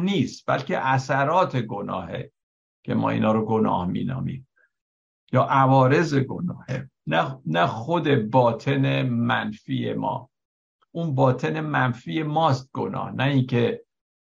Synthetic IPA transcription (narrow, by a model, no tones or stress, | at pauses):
niːst̪b̥æ̰lce̞̰ʔæsæɾɒːt̪ʰe̞ɡo̞nɒ̰ːhe̞̰ | cʰe̞̰mɒ̰ːḭːnɒːɾoɡo̞nɒ̰ːhmḭːnɒ̰ːmḭːm | jɒːʔævɒːɾe̞ze̞ɡo̞nɒːhenænæxod̪e̞bɒːt̪ʰe̞ne̞mænfḭːje̞̰mɒ̰ː | ʔunbɒːt̪ʰe̞ne̞mænfiːje̞mɒːst̪̚ɡ̥o̰nɒ̰ːhnæiŋcʰe̞